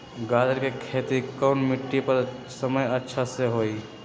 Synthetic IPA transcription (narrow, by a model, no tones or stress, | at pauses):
ɡad̪əɾkekʰet̪ikəʊnmiʈːipəɾsəməjətːʃʰaseɦoi